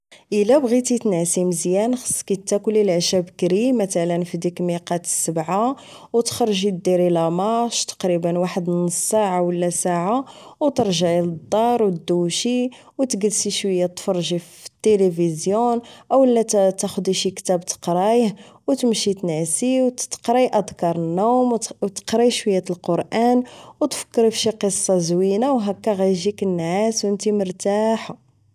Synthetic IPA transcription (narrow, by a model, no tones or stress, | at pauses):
ʔəlæbɣit̪it̪næsiməzjænxə̥sˤːkit̪ːækʊlːilʕʃæbkɾimæt̪ælənfid̪ikmiqɑt̪ə̥sːəbʕa | wt̪xɾˤʒid̪iɾilæmɑʃt̪ɑ̥qɾibənwaħəd̪nəsːaʕawəlːæsaʕawt̪əɾˤʒəʕiləd̪ˤːɑɾˤwd̪ːuʃi | wt̪ɡəlʃiʃwəjːat̪fɑɾˤʒift̪ːelivizjunʔəwlːæt̪æxʊd̪iʃikt̪æbt̪ə̥qɾˤɑjəhwt̪əmʃit̪næsiwt̪qɾijʔəd̪kɑɾˤənːumwt̪ə̥qɾˤijʃwəjːæt̪lqoɾˤʔænwt̪fə̥kːəɾfʃiqəsˤːɑzwinawɦækːæɣæjʒikənːʕaswənt̪iməɾt̪aħa